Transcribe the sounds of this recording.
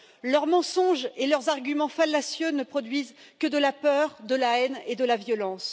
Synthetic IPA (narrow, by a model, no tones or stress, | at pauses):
lœʁmɑ̃sɔ̃ʒelœʁzaʁɡʲymɑ̃falːasjønəpχɔd̪ɥiz | kəd̪əlapœʁd̪əlaɛned̪əlavjɔlɑ̃s